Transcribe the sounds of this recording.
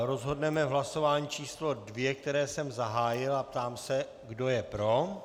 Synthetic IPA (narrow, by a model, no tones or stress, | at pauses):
ɾo̞zɦo̞dnɛmɛvɦlaso̞vaːɲiːt͡ʃiːslo̞dvjɛk̚t̪ɛɾɛːsɛmzaɦaːjɪlap̚t̪aːmsɛ | ɡdo̞jɛpɾo̞